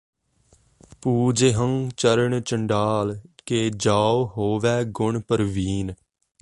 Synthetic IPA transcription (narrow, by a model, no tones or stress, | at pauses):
puːd͡ʒeɦəŋt͡ʃəɾəɳt͡ʃəɳɖaːlkeːd͡ʒaːoɦoːʋɛːɡʊɳpəɾʋiːn